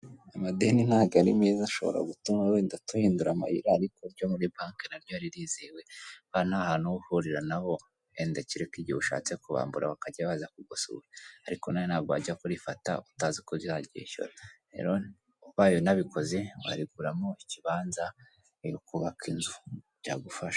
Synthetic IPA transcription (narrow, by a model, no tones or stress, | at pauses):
amadeninaːɡaɾimeːzaʃo̞βo̰ɾa̰ɡutumaweːndatuhiːnduɾama̰hḭɾaːɾikoɾɟo̞muɾibaːŋkenaɾɟojaɾiɾiːzewe̞βanahaːnuuhuɾiɾanaβo̞ | endaciɾekiɟiouʃa̰ːt͡sekuβa̰ːmbuɾa̰βakaɟaβazakuɡosṵweaɾiko̞najonaɡwa̰ːɟiakoɾifata̰utazikojoaɟḛʃo̰ɾaɾe̞̰ɾo | βajonaβiko̞ze̞wa̰ɾiɡuɾamoiciβaːnza | ijokuβakinzu | ɟa̰ɡufaʃa